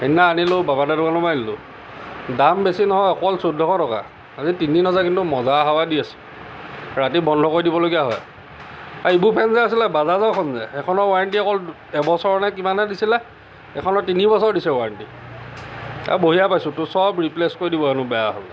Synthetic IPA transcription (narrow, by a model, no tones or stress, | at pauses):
enːaːnilobabadadukanɔmajnilʊ | dambesinɔɦɔjɔkɔlsodʱːɔkɔtɔka̰ | azitininɔzakintumɔzaɦawadiasɛ̥ | ɹatibɔndʱɔkoɹidibɔloɡijaɦɔ̰j | aɹibuɹpʰɛnzɛasilɛbazazaʊkʰɔnzɛɛkʰɔnɔɹwaɹantiɛkɔl | ɛbɔsɔɹnɛk̬imanɛdisilɛ | ɛkʰɔnɔɹtinibɔsɔɹdisɛwaɹanti | a̰boɦijapajsʊ̃tʊsɔbɹipleskoɹidibɔɛnʊbɛjaɦɔ̰l